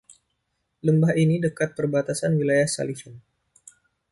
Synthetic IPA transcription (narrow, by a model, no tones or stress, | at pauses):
ləmbaɦinidəkat̪̚pərbat̪asanwilajahsa̰lisʊn